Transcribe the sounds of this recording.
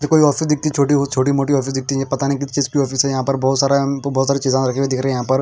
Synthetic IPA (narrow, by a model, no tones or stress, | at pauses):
t̪ekoːiɔːfʰɪsd̪ɪk̚t̪it͡ʃʰoːʈibot̪t͡ʃʰoːʈ̬imoːʈiɔːfʰɪsd̪ɪk̚t̪ipɐt̪anik̬ɪt̪ʰt͡ʃiːzkiɔːfʰɪsɛjɐɦãːpəɾbɔːt̪saːɾabɔːt̪saːɾit͡ʃiːzãɾɐkʰiːʋẽd̪ɪkʰɾəɦejɦãpɐɾ